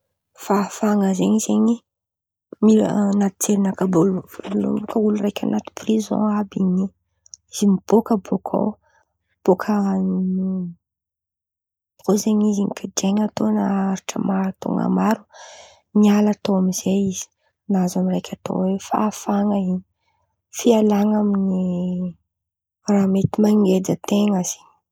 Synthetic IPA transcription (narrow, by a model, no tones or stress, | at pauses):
fafaŋəzeɲizeɲi | mḭnat̪i̥t͡seɾinakabuluvlṵmukəulurajkʲʰa̰nat̪u̥prizõ̰abiɲi | izimib̥okəbokʰo̰w | b̥okʰə | ozeɲizinikʰad͡ʒeŋat̪onaaɾiʈ͡ʂə̰maɾt̪o̰ŋa̰maɾu | nialat̪oamiz̥eiz̥i̥ | nazamirajkʲʰat̪o̰wefa̰ːfaŋəiɲi | fialaŋamini | raːmet̪imaŋɡed͡zət̪eŋaz̥i̥ɲ